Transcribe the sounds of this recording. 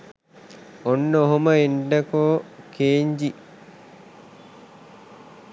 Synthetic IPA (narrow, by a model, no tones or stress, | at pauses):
onːəoɦoməenɖɐkokeːɲd͡ʒi